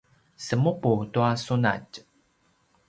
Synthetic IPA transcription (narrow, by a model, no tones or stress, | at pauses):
səmuputuasuna̰c